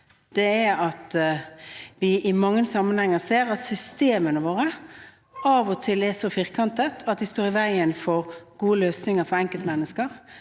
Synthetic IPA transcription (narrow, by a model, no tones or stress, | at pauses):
d̪̥ɛæɾɑt̪ | ʋɪʔɪmɑŋːənəsɑmːənhɛŋːəɾseːɾɑt̪sʏst̪eːmənəʋoːɾə | ɑːʋɔt̪ʰɪlɛɾsɔfɪɾkʰɑnt̪ət̪ʰɑt̪̚d̪ɪst̪oːɾɪʋæɪənfɔɾɡ̥uːəløːsnɪŋəɾfɔɾɛŋkəlt̪mɛnːəskəɾ